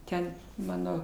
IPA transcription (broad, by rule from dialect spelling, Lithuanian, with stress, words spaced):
ˈtʲɛn ˈmɑːnoː